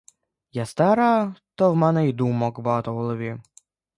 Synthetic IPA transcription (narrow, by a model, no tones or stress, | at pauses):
jast̪ɛɾɑt̪ɔwmɛnɛid̪umɔkbɐɦɑt̪ɔɦɔlˠɔʋʲi